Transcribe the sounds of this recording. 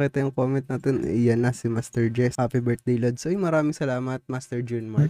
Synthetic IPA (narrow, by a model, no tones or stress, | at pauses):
ɛt̪ɐjʊŋkoːmɛnt̪̚nɐt̪onɪjɐnːɐsɪmast̪ɛɹd͡ʒɛsaːpibɛɹt̪̚d̪ejlod̪̚sojmɐɾaːmɪŋsɐlaːmɐt̪̚mast̪ɛɹd͡ʒunmaɹ